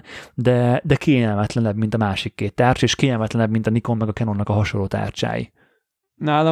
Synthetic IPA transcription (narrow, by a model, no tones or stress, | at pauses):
d̪ɛd̪ɛkeːɲɛlmɛt̪lɛnɛbmint̪ɒmaːʃikːeːt̪ːaːrt͡ʃeːʃkeːɲɛlmɛt̪lɛnɛbmint̪ɒniko̞mːɛɡɒkɛnonɒkɒɦɒʃolːoːt̪a̰ːrt͡ʃa̰ːjḭ | naːlɒ